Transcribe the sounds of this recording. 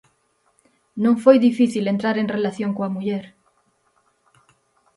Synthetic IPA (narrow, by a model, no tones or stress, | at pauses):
nõŋfojðifiθilent̪ɾaɾeŋrelaθjõŋkoamuʎeɾ